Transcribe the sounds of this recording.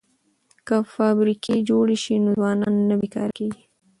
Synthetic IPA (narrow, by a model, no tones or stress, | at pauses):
kəfɑbɾiked͡ʒoɽeʃinozwɑnɑnːabikɑ̰ɾkeɡi